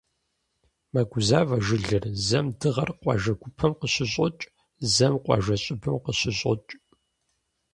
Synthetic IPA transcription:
mɐɡʷʊzaːvɐʒɨɮɨrzɐmdɨʁɐrqʷʼɑ̰ʒɐɡʷʊpʰɐmqəɕɪɕʼʊt͡ʃʼ | zɐmqʷʼɑ̰ʒɐɕʼɪbɨmqəɕɪɕʼʊ̰t͡ʃʼ

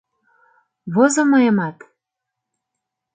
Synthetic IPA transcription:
βozomɤjəmɑt̪

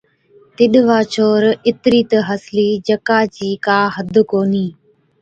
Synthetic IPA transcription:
t̪ɪɗʋaːt͡ʃʰoːɾɪt̪ɾiːt̪əɦəsliːd͡ʒəkaːt͡ʃiːkaːɦəd̪ʱkoːniː

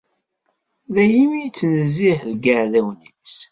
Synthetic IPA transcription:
ðæjimijt͡sːnəzːiħðɡəʕðæwnis

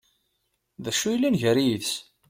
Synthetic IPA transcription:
ðæʃːujlːinʝəɾijiðs

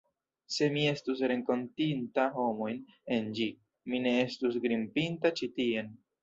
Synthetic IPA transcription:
se̞mie̞stus̬ɾe̞ŋko̞ntintaho̞mo̞jn | e̞nd͡ʒi | mine̞e̞stus̬ɡɾimpintat͡ʃitie̞n

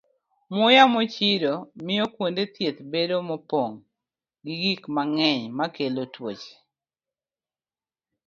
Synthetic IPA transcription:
mʊjamɔt͡ʃidomɪjɔkwondet̪jet̪bedomɔpoŋ | ɡiɡikmaŋɛɲmakelotwot͡ʃ

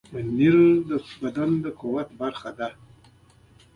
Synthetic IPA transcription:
əniɾd̪əbad̪and̪əkuwat̪baɾxad̪a

